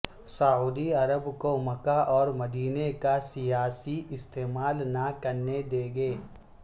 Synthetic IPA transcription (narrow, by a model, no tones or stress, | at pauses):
sauːd̪iɐɾəbkomɐkaʔɔːɾmɐd̪iːnekasijaːsiʔɪst̪eːmaːlnakɐɾned̪eːɡeː